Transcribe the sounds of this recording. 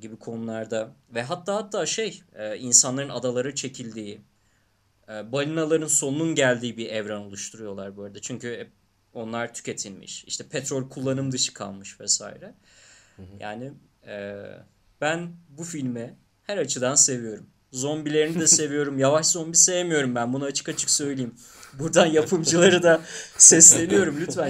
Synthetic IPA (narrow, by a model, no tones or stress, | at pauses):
ɟibikʰo̞nulˠaɾd̪avɛɦat̪ʰːaːhat̪ʰːaːʃe̞jɛːinsanlˠaɾɯnad̪alˠaɾɯt͡ʃʰe̞cʰilʲd̪iː | ɛːbalʲinalˠaɾɯnso̞nununɟælʲd̪iːibiɾɛvɾano̞lˠuʃt̪ʰuɾujo̞lˠaɾbøjlʲd̪ɛt͡ʃʰyɲcyɛ | o̞nlˠaɾt̪ʰy̥cʲe̞t̪ʰilʲmḭʃḭʃt̪ʰɛpʰɛt̪ɾolʲkʰulˠːanɯmd̪ɯt͡ʃʰɯ̥kʰa̰lˠmɯʃvɛsa̰ːḭɾɛ | ja̰ːni | ɛ | b̥ænbufilʲmɛ | hæɾat͡ʃʰɯd̪anse̞vijo̞ɾum | zo̞mbilʲe̞ɾinid̪ɛse̞vijo̞ɾumjavaʃzo̞nbise̞vemijo̞ɾumbænbunaːt͡ʃʰɯ̥kat͡ʃʰɯ̥ksø̞jlʲejim | buɾd̪anjapʰɯmd͡ʒɯlˠaɾɯd̪asɛsllʲe̞nijo̞ɾumlʲyfæn